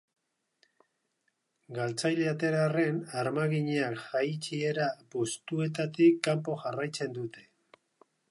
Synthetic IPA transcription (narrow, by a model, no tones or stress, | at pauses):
ɡalt͡sajleat̪e̞ɾare̞naɾmaɣiɲeakʝajt͡ʃie̞ɾapo̞st̪ue̞t̪at̪ikːampo̞ʝarajt͡se̞nd̪ut̪ʰe̞̥